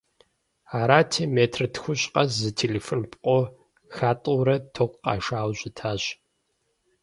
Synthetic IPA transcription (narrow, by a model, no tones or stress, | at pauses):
aːɾaːtʰemeːtʰrɨtʰxʷʊɕʼqʼɐszɨtʰeːleːfonpʼqʷʼo | xaːtʼowɾɐtʰoqʷqɑ̰ʃaːwʑʷɪtʰaːɕ